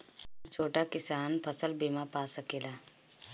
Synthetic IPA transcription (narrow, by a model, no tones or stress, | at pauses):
t͡ʃʰoːʈakɪsaːnpʰəsəlbiːmapaːsəkeːlaː